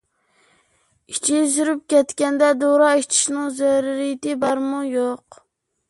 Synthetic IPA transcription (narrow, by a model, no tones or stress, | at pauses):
it͡ʃʰizyɾyp̚kʲɛt̪kʲɛnd̪ɛd̪oɾɑit͡ʃʰi̥ʃnɨŋzɛɾɾijɪt̪ɪbɑɾmujoq